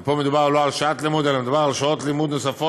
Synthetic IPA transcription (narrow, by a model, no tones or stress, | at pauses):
pomed̪ubaʁloalʃaat̪limud̪elamed̪ubaʁalʃaotlimud̪nosafo